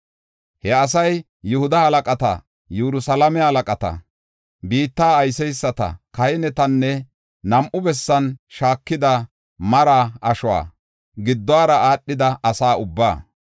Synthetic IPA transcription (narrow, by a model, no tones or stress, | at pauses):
hɛɐsɐj | jʊhʊd̪ɐhɐlɐkʼɐt̪ɐ̰ | jɛɾʊsɐlɐmɛhɐlɐkʼɐt̪ɐ̰ | biːt̪ːaːɐjsɛjsːɐt̪ɐ̰kɐjɪnɛt̪ɐnːɛ | nɐmʔʊbɛsːɐnʃaːkːɪd̪ɐ | mɐɾaːɐʃʊwa̰ː | ɡɪd̪ːɔaːɾɐaːɗːɪd̪ɐɐsaːʊbːaː